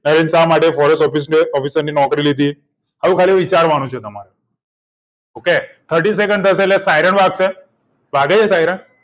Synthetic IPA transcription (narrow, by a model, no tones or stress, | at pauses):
nəɾensamaʈefɔɾesʈɔfiseɔfisəɾninɔkɾilit̪̬iː | ɦaʋukʰaliːʋit͡ɕaɾʋaɽ̃ut͡ɕʰet̪əma̰ɾe | oket̪ʰəɾʈiːs̬ekəɳt̪ʰəselesajɾəɳʋaɡsẽ | baɡejesajɾəɳ